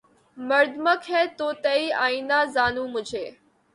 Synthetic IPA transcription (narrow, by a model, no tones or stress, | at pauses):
məɾd̪məkʰɦɛːt̪oːt̪əiaːiːnãzaːnũːmʊd͡ʒʱeː